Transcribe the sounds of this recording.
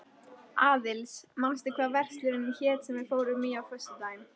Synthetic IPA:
aːðɪlsmanst̪ɪkʰvaːðvɛr̥st̪lʏɾɪnːɪmçɛːt̪sɛmvɛɾfoːwɾʏmiːawfœ̥st̪ʏt̪aːjɪm

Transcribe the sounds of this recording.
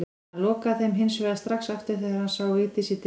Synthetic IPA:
lɔːkaθejmɦɪnsvɛːðast̪ɾaxsaft̪ɪɾ̥θeɣaɾhansaːwit̪ɪsit̪

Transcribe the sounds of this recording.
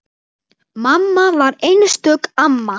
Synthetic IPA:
mamːavaɾejnst̪œːkamːa

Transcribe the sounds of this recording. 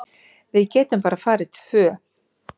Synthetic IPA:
vɪðcɛːt̪ʏmpaːɾafaːɾɪ̥t̪ʰv̥œː

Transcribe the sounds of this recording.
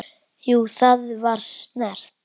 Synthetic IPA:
juːθaðvaɾ̥snɛr̥t̪

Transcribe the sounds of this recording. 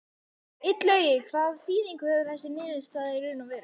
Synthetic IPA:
ɪt̪lœːɥjɪkʰvaːðfiːðiŋkʏhɛvɪɾθɛsɪnɪːðɪnst̪aːðiɾɪɾɪnavɛːɾɪ

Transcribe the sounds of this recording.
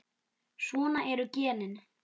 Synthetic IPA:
sɔːnaʔɛɾʏcɛːnɪn

